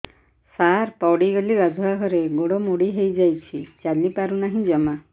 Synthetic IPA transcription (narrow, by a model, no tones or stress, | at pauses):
saɾpɔwɽiɡeliɾad͡ʒʱuɦakʰɔɾeɡoɽɔmuɽiɦejd͡ʒajt͡ʃʰit͡ʃalipaɾunaɦĩd͡ʒɔma